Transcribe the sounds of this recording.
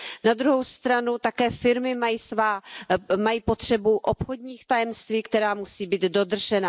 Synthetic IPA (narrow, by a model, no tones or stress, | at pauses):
nad̪ɾuɦo̞wst̪ɾanut̪akɛːfɪɾmɪmajiːsvaːmajiːpo̞t̪r̝̥ɛbuʔopxodɲiːxt̪ajɛmst̪viːkt̪ɛɾaːmusiːbiːd̪do̞d̪r̩ʒɛna